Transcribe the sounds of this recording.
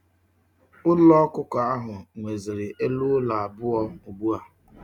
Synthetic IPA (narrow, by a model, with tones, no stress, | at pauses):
ʊ˦lɔ˦kʊ˦kɔ˨a˦ɦʊ˨ŋʷe˨zɪ˨ɾɪ˨ʔe˦lu˦la˨a˨bʊ˦ɔ˦o˨ɡ͡bu˦a˨